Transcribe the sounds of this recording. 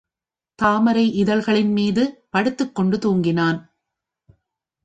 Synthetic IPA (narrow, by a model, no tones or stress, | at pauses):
t̪aːmɐɾɐɪʔɪðɐlɣɐɭɪnmiːðɯpɐɽɯt̪ːɯkːɔɳɖɯt̪uːŋɡɪnaːn